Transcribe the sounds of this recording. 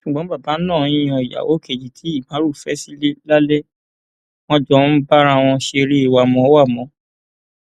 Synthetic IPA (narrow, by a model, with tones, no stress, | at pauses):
ʃu˨ɡ͡bɔ̃˨˦ba˦˨ba˨˦nãː˦˨˦ɔ˨ja̰˨wo˨˦ke˨d͡ʒi˨tʰi˨˦i˦˨mã˨˦ɾu˦˨fɛ˦si˦le˦la˦lɛ˦ | w̃ɔ̃˧d͡ʒɔ˦ba˦ɾa˧w̃ɔ̃˧ʃe˧ɾi˦i˦˨wa˨mɔ̃˨˦wa˦˨mɔ̃˨˦